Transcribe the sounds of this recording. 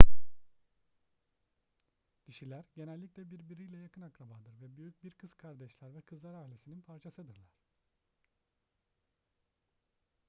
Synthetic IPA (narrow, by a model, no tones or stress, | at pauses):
cʰiʃilʲæɾɟe̞nɛlʲːicʲlʲɛbiɾbiɾijlʲɛjakʰɯnakɾabad̪ɯɾvɛbyjyc̚ʲbiɾkʰɯz̥kʰaɾd̪ɛʃlʲˠaɾvɛkʰɯzlˠaɾaːilʲesininpʰaɾt͡ʃʰasɯd̪ɯɾlˠaɾ̥